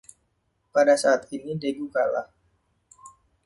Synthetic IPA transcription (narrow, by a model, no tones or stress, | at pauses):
padasaːt̪̚inideɡukala̰h